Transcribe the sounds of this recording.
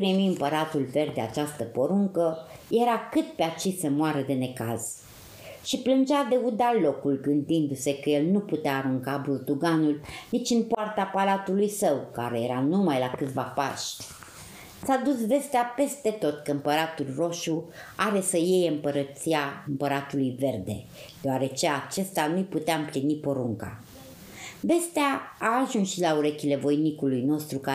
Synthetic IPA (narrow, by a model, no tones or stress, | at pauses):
pɾimiɨmpəɾat̪ulve̞rd̪d̪e̞a̰t͡ʃast̪əpo̞ɾuŋkəje̞ɾakɨt̪̚peat͡ʃisemoaɾəd̪e̞ne̞ka̰z̥ | ʃiplɨnd͡ʒad̪e̞ud̪alo̞kulɡɨnd̪ind̪use̞kəje̞lnuput̪eaːɾuŋkaburd̪uɡanulnit͡ʃʲɨnpoart̪eapaɾat̪ulujsəwka̰ɾe̞je̞ɾanumajlakɨt̪vapa̰ʃt̪ʲ | sad̪usve̞st̪eape̞st̪e̞t̪o̞t̪kəɨmpəɾat̪ulro̞ʃuaɾe̞səje̞jɨmpəɾət̪siaɨmpəɾat̪ulujve̞rd̪e̞̰ | d̪̥eoaɾe̞t͡ʃe̞at͡ʃe̞st̪anujput̪eaɨmplinipo̞ɾuŋka̰ | be̞st̪eaaːʒunsʃilauɾekʲilevo̞jnikulujno̞st̪ɾuka